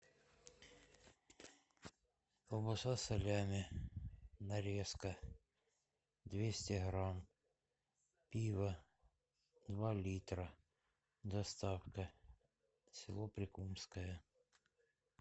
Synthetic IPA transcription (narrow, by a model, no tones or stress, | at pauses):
ɔbɔsasɐlʲamʲɪ | nɐɾʲɛskɐ | d̪ʲʋʲesʲtʲɛɦɾɑm | pʲiʋɐ | d̪ʋɑlʲit̪ɾɐ | d̪ɐst̪ɑwkɐ | sʲɪlˠɔpɾʲɪkumskɔjɛ